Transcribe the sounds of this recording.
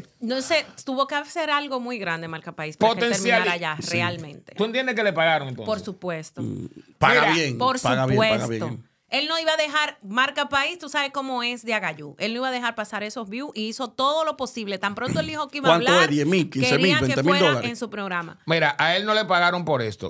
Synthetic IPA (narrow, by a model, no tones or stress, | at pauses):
noset̪uβo̞keaseɾalɣo̞mujɣɾand̪emaɾkapaispapaoteenesmjalaɾaʝarealmḛ̃nt̪e̞uent̪jend̪ekelepaɣaɾoŋent̪õpoɾsupwest̪o̰paɣaaβeŋpoɾspauɣaβjepwepaɣaβjeo | e̞lno̞iβaðe̞ɦaɾmaɾkapaist̪usaβesko̞mo̞e̞sd̪eaɣaʝue̞lno̞iβaðe̞ɦaɾpasaɾe̞sosβjuʔiiso̞t̪o̞ðo̞lo̞po̞siβlet̪ampɾo̞nt̪oeld̪ihokeiβaanβlaoeɾðjesmilkinkseeɾmilaβenet̪emiled̪olaɾensupɾo̞ɣɾama̰miɾaʔae̞lno̞le̞paɣaɾompoɾest̪o̰